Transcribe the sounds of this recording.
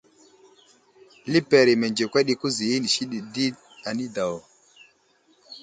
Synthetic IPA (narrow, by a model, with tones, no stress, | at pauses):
li˦pe˨ɾi˨me˨nd͡ʒe˨kʷwa˦ɗi˦ku˦zi˨ji˦ni˨ʃi˦ɗi˨di˦ | a˨ni˦da˨wo˨